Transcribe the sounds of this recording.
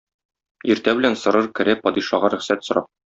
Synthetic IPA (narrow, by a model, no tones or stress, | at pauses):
iɾt̪æbɘ̆lænsɤ̆ɾɤɾkɘ̆ɾæpɒd̪iʃɑʁɑɾɵ̆χsæt̪sŏɾɑ